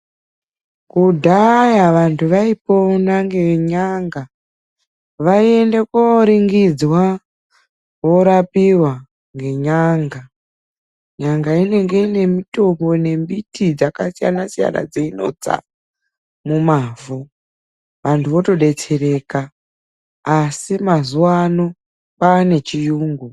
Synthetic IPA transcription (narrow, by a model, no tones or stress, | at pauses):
kudʱajaʋantʰuʋaipo̞naŋɡe̞ɲaŋɡa | ʋaie̞nde̞koɾiŋɡid͡zwa | wo̞ɾapiwa | ŋɡe̞ɲaŋɡa | ɲaŋɡaine̞ŋɡe̞ine̞mito̞mbo̞ne̞mbitid͡zakasija̰nasija̰na̰d͡zeino̞̰d͡za̰ | mumaːvu | ʋantʰuʋo̞to̞ɗe̞t͡se̞ɾe̞kaː | simazuwano̞ | paːne̞t͡ʃijuːŋɡu